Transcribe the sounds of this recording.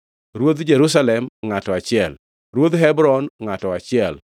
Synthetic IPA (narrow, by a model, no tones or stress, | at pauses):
ɾwod̪d͡ʒeɾʊs̬alɛmŋatɔat͡ʃɪɛl | ɾwod̪ɦɛbɾɔnŋatɔat͡ʃɪɛl